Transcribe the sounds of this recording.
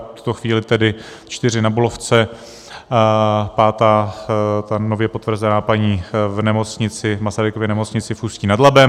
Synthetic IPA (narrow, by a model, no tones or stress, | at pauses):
fft̪u̥t̪o̞xviːlɪt̪ɛdɪ | t͡ʃt̪ɪr̝ɪnabulo̞ft͡sɛ | paːt̪aːt̪ano̞vjɛpot̪vr̩zɛnaːpaɲiːvnɛmot͡sɲɪt͡sɪmasaɾɪkovjɛnɛmo̞t͡sɲɪt͡sɪfuːsciːnadlabɛm